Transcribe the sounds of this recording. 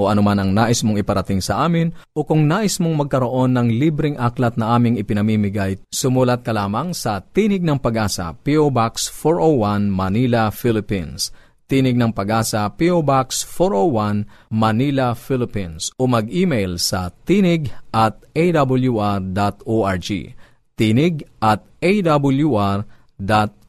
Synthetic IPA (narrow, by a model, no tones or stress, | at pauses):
ʔoʔɐnomanɐŋnaːʔɪsmoŋɪpɐɾɐt̪ɪŋsɐʔaːmɪnʔo̞kʊŋnaːʔɪsmoŋmɐɡ̚kɐɾo̞ʔo̞nːɐŋlibɾɪŋʔaklɐt̪̚nɐʔaːmɪŋɪpɪnɐmiːmɪɡajsʊmulɐt̪̚kɐlaːmɐŋsɐt̪iːnɪɡ̚nɐŋpɐɡaːsɐ̰piobaksfoɹʔowːanmɐnilɐfilɪpins | t̪iːnɪɡ̚nɐŋpɐɡaːsɐpiobaksfoɾowːanmɐnilɐfilɪpinsomɐɡʔiːmejlsɐt̪iːnɪɡʔɐt̪̚ejd̪abɐljuʔaɹd̪at̪oːʔaɹd͡ʒḭ | t̪iːnɪɡʔɐt̪̚ʔejd̪abʊljuʔaɹ | d̪at̪̚